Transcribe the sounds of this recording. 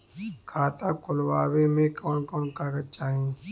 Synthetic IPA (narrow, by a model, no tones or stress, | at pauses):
kʰaːt̪akʊlwaːwemẽkɔːnkɔːnkaːɡət͡ʃaːɦẽ